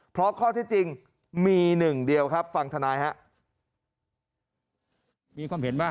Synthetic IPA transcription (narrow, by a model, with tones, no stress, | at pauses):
pʰɾɔ˦˥kʰɔː˥˩t̪ʰiː˥˩t͡ɕi˧ŋ | miː˧nɯ˨˩ŋdi˧əwkʰa˦˥p̚fa˧ŋt̪ʰa˧naː˨˦˥jɦa˦˥ʔ | miː˧kʰwaː˧mhe˩˦nbaː˥˩